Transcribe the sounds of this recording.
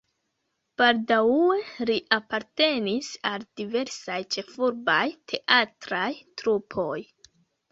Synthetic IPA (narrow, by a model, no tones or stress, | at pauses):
b̥aldawue̞liʔapaɾte̞nisaldive̞ɾsajt͡ʃe̞fuɾbajtʰe̞ʔatɾajtɾupʰo̞j